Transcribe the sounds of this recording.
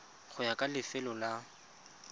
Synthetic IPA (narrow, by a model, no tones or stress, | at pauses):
χʰʊjakʼalɪfɛlɔla